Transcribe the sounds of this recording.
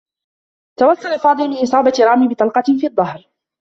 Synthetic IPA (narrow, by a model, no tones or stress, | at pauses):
t̪awɑsˤːɑlɪfɑːd̪ˤɨlmɪnʔɪsˤɑːbat̪ɾˤɑːmɪbɪt̪ˤɑlqɑfiːɑd̪ˤːɑhɾ